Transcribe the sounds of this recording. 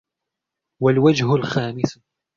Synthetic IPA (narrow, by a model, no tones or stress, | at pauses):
walwad͡ʒhʊlxaːmɪs